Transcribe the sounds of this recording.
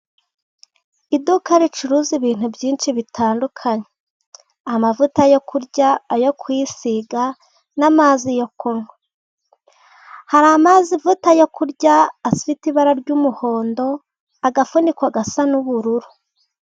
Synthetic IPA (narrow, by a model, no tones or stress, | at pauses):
idukaɾit͡ʃuɾuziβiːn̥hubɟiːnt͡ʃiβitʰaːndukʰaɲe | amavutajo̞kʰuɾɟaːjo̞kwisiɡa | namaːzijo̞koŋo | haɾamaːzivutajokuɾɟaːsitiβaɾaɾɟumuho̞ːndo̞ | aɡafundikwaɡasanuβuɾuɾu